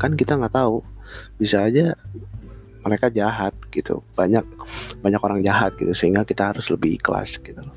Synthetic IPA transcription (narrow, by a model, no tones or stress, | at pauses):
kankit̪aŋaʔt̪aubisaːd͡ʒa | məɾekad͡ʒaɦat̪̚ɡ̥it̪ṵb̥aɲak̚baɲakoɾaŋd͡ʒaɦat̪̚ɡit̪usəiŋɡakit̪aɦaɾʊsləbɪikəla̰sɡ̥it̪ulɔ